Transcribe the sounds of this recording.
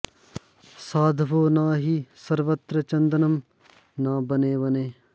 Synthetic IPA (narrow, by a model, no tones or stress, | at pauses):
saːd̪ʱʋoːnaːɦisɐɾʋɐt̪ɾɐt͡ʃɐ̃nd̪ɐnɐm | naːbɐneːʋɐneː